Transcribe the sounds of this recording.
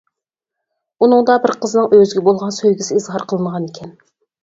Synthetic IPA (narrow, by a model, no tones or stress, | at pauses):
unɨŋd̪ɑbɪɾqʰəzɨnɨŋøzɪɡʲɛbolˠʁɑnsøjɡʲisɪizʁɑɾqʰəlˠɨnʁɑnekʲʰɛn